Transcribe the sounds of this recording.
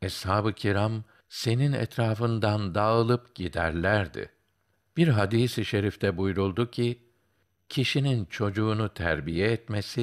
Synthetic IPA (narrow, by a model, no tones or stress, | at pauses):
ɛshaːbɯcʰiɾam | se̞ninɛ̰t̪ɾaːfɯnd̪and̪aɯlˠɯpɟ̥id̪æ̰ɾlʲæɾd̪ɪ̰ | b̥iɾɦad̪iːsiʃe̞ɾift̪ʰɛbujɾulˠd̪ucʰi | cʰiʃinint͡ʃʰo̞d͡ʒuːnut̪ʰæ̰ɾbijɛɛt̪mesi